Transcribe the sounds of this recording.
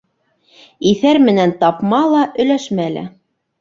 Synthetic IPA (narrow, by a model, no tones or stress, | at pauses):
iθæɾmɘ̆nænt̪ɑpmɑlˠɑʔɵ̆læʃmælɘ̰